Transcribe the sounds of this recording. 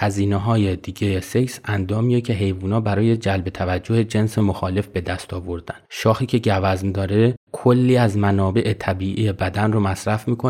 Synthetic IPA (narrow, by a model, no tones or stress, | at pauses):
hæziːneɦɒːjed̪iːɟejese̞jsænd̪ɒːmijecʰe̞ɦe̞jvuːnɒːbæɾɒːje̞d͡ʒælbe̞t̪ʰævæd͡ʒːohed͡ʒe̞nse̞moxɒːle̞fbe̞d̪æst̪ɒːvo̞ɾd̪ænʃɒːxiːcʰe̞ɟævæzmd̪ɒːɾe̞kʰolːiːæzmænɒːbe̞ʔet̪ʰæbiːʔiːjebæd̪ænromæsɾæfmiːkʰo